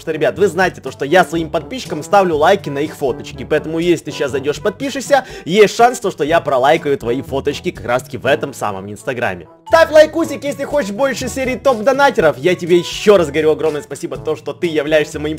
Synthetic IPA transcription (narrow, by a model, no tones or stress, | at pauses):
ʂt̪oɾʲɪbʲat̪vɨznajɪtʲɪ̥t̪o̞ʂt̪ojasvɐimpɐt̪̚pʲiɕːɪ̥kəmst̪avlʲʊlˠajkʲɪnɐixfo̞t̪ət͡ɕkʲɪpɐɛt̪əmʊjesʲlʲɪt̪ɨɕaszɐjdʲo̞ʂpɐt̪̚pʲiʂɨsʲəjesʲt̪ʲʂanst̪o̞ʂt̪o̞japɾɐlˠajkəjʊt̪vɐifo̞t̪ət͡ɕkʲɪkɐkɾa̰st̪ə̥kʲɪvɛt̪əmsa̰mə̰mɪnst̪ɐɡɾa̰mʲːɪ̰ | st̪afʲlˠɐjkusʲɪkjesʲlʲɪxot͡ɕɪʂbo̞lʲʂɨsʲeɾʲɪːt̪o̞pd̪ɐnatʲɪɾəfjatʲɪbʲejɪɕːo̞ɾazɡəɐɾʲuɐɡɾo̞mnəjəspɐsʲibət̪o̞ʂt̪o̞t̪ɨjɪvlʲæjɪʂsʲəmɐim